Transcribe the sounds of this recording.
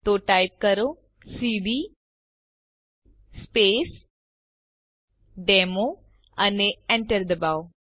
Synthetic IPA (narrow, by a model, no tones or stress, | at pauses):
t̪oʈajp̚kəɾo | siɖiː | speːs | ɖeːmo | ɐneɛ̃ɳʈəɾd̪əbaw